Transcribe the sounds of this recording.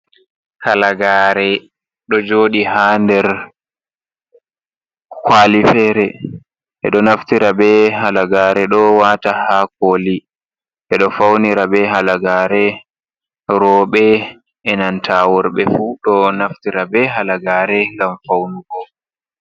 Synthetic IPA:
halaɡaːɾɛ | ɗɔd͡ʒoːɗiɦandɛɾ | kwalifɛɾɛ | ʔɛ̰ɗɔnaftiɾabɛhalaɡaːɾɛɗɔwatahakoli | ʔɛɗɔfawniɾabɛɦalaɡaɾɛ | ɾɔːɓɛ | ʔɛnantʰawɔɾɓɛfuɗɔnaftiɾabɛɦalaɡaːɾɛŋɡamfawnuɡɔ

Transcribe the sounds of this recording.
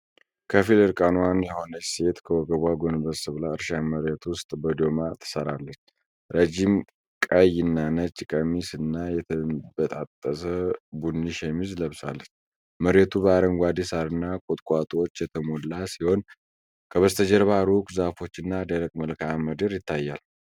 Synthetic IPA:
kʰəfilɨɾkʼanwanjɛho̞nəse̞t̪kʰəwɔɡəβaɡo̞nbəsɨβlaɨɾʃaməɾet̪wʊst̪ʼbəd̪o̞mat̪ʰə̥səɾalːət͡ʃː | ɾed͡ʒim | kʼəjɪnːanət͡ʃʼːɪkʼəmisɨnːajɛt̪ʰəbət̪ʼat̪ʼːəsəbunːiʃemizləβsa̰lːət͡ʃː | məɾet̪ʰubəaɾəŋɡʷad̪isaɾɨnːakʼut̪ʼkʼat̪ʼwot͡ʃːjɛt̪ʰəmolːasiho̞n | kʰəβəst̪ʰəd͡ʒəɾβaɾukʼzafo̞t͡ʃːɨnːad̪əɾəkʼməlkʰaməd̪əɾjɪt̪ʰːajːal

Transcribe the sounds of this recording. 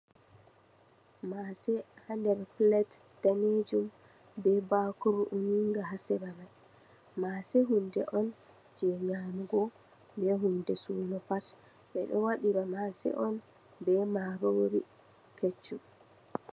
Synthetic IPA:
masɛhandɛɾplɛt | d̥aned͡ʒum | bɛbakuɾuʔuniŋɡaɦasɛɾamaj | masɛɦundɛ̰ʔɔn | d͡ʒɛɲaːmuɡɔ | bɛɦundɛsṵːnɔpat | ɓɛ̰ɗɔwaɗiɾamasɛ̰ʔɔn | bɛmaɾoːɾḭ | ket͡ʃːu

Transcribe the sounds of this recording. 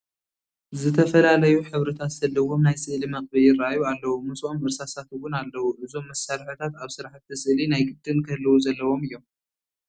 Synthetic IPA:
zɨt̪ʰɐfɐlalɐjuħɨβɾɨt̪ʰazɐlːɐwo̞mnajsɨʔlimɐχʼbɐljɪraajualːɐwomɨsʔomɨɾsasat̪ɨwʊnalːɐwuʔɨzo̞mːɐsaɾħɨt̪ʰat̪aβsɨɾaħt̪ːɨsɨʔlinajɡɨd̪̥ɨnkʰɐlːɐwuzɐlːɐwo̞mɨjːo̞m

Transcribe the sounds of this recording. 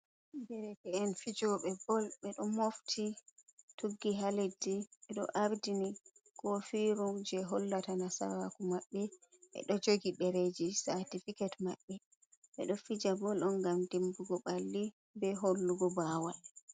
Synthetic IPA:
dɛɾɛtɛɛnfid͡ʒɔɓɛbɔlɓɛɗɔmoftʰituɡːiɦalediɓɛɗɔ̰ʔaɾdinikɔfiɾud͡ʒɛɦɔlːatanasa̰ɾakumaɓːɛɓɛ̰ɗɔd͡ʒoɡiɗɛɾed͡ʒisatifikatma̰ɓːɛ | ɓɛ̰ɗɔfid͡ʒabɔlɔnɡamdembuɡɔɓalːi | bɛɦolːuɡɔbawal

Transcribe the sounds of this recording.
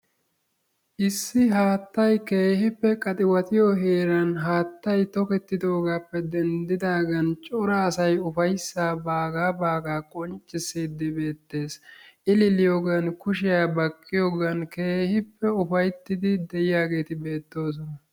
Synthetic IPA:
ʔɪsːɪɦaːt̪ːɐjke̞ːhɪpːɛkʼɐt̪ʼɪwɐt̪ɪjɔɦe̞ːɾɐnɦaːt̪ːɐjt̪ɔkɛt̪ːɪd̪o̞ːɡaːpːɛd̪ɛnd̪ɪd̪aːɡɐnt͡ʃʼʊɾɐːsɐjʊfɐjsːaːbaːɡaːbaːɡaːkʼɔnt͡ʃʼːɪsiːd̪ːɪbe̞ːt̪ːe̞ːsʔɪlɪlɪjoːɡɐnkʊʃɪjaːbɐkʼːɪjoːɡɐnke̞ːhɪpːɛʊfɐjt̪ːɪd̪ɪd̪ɛjɪjaːɡe̞ːt̪ɪbe̞ːt̪ːo̞ːs̬ɔnɐ

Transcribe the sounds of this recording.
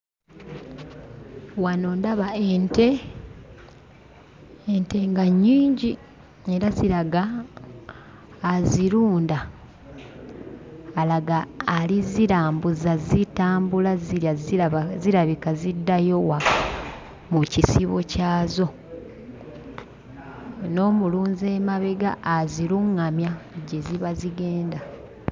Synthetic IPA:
wanoːndaβaente | ente̞ŋɡaɲːiːɲɟi | e̞ɾaziɾaɡa | ziɾuːnda | laɡaːliziɾaːmbuzazitaːmbulaziazziɾaβikazidːajo̞wa | mucisiβo̞caːzo̞ | no̞ːmuluːnze̞ːmaβeɡaːziɾuŋːamjaɟe̞ziβaziɡe̞ːnda

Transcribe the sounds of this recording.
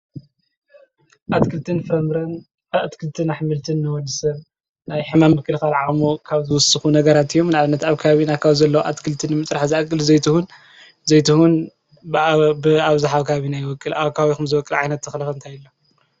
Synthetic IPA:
ʔat̪kʰɨlt̪ʰɨnfɨɾɐmɾɐn | at̪kʰɨlt̪ʰɨnaħmɨlt̪ʰɨnːɨwɔlɨsɐβ | najħɨmamːɨkʰːɨlxalʕamukʰaβzɨwʊsɨxunɐɡɐɾat̪ɨjːo̞mnʕaβɨnːɐt̪aβkʰaaβinakʰaβzɐlːɐwuʔa̰t̪kʰɨlt̪ʰɨnːɨmɨt͡sʼɾaħzɨakʼːɨlzɐjt̪ʰuhun | zɐjt̪ʰuhun | bɨaβzaħaβkʰaaβinajɪwɔkʼːɨlakʰawixumzɨwɔkʼɨlʕajnɐt̪ːɨxlɐɐɨnt̪ʰajɨlːo

